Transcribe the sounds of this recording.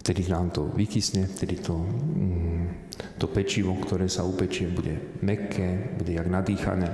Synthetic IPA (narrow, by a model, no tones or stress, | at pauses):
ft̪ɛd̪inaːmt̪ɔ̰ʋikisɲɛft̪ɛd̪it̪ɔ | t̪ɔpɛt͡ʃiʋɔkt̪ɔɾɛːsaupɛt͡ʃɪɛbuɟɛmɛkʰɛːbuɟɛjaɡnad̪iːxa̰nɛː